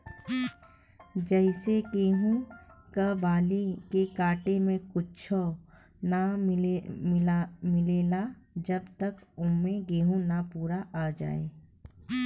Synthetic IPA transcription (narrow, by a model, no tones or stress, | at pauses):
d͡ʒɛɪseɡeːɦũkabaːlekekaːʈemẽkʊt͡ʃʰo | naɪmɪmɪleːlad͡ʒɐbt̪əkʊmːẽɡeːɦũnapuːɾaʔaːd͡ʒa̰ːeː